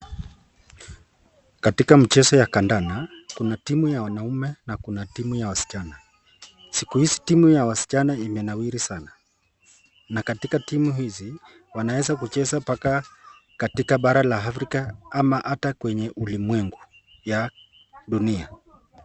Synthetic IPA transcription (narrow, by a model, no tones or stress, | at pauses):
katikam̩t͡ʃɛsɔjakandanakunatimujawanaumɛnakunatimujawasi̥t͡ʃana | sikuhisi̥timujawasi̥t͡ʃanaimɛnawiɾisana | nakatikatimuɦizi | wanawɛzak̬ut͡ʃɛsapaka | katikaɓaɾalaafɾikaamaʔatakwɛɲɛʔulimwɛŋɡu | ja | ɗunia